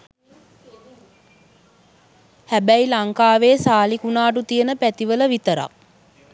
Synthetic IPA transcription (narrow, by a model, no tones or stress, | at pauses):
hæbæilaŋkaːʋeːsaːlikunaːʈ̬ut̪ijənəpæt̪iʋələʋit̪əɾa̰k̚